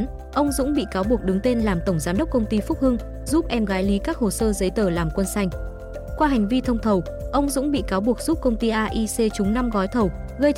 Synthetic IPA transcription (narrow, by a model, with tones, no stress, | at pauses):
ʔə˧wŋ͡mzʊ̰˧˥ŋ͡mɓḭ˧˨kaː˨˦wɓu˨˩ək̚ɗɨ˨˦ŋt̪e˧nlaː˨˩mt̪ə˧˩wŋ͡mzaː˨˦mɗə˦˥k͡p̚kə˧wŋ͡mt̪i˧fʊ˦˥k͡p̚hɨ˧ŋ | zu˦˥p̚ʔɛ˧mɣaː˨˦jli˨˦kaː˦˥k̚ho˨˩səː˧zə˨˦jt̪əː˧˩laː˨˩mkwə˧nsa˧jŋ̟ | kwaː˧ɦa˨˩ŋ̟vi˧t̪ʰə˧wŋ͡mt̪ʰə˨˩w | ʔə˧wŋ͡mzʊ̰˧˥ŋ͡mɓḭ˧˨kaː˨˦wɓu˨˩ək̚zu˦˥p̚kə˧wŋ͡mt̪i˧ʔaː˧ʔi˧se˧t͡ɕʊ˨˦ŋ͡mna˧mɣɔ˨˦jt̪ʰə˨˩w | ɣə˧j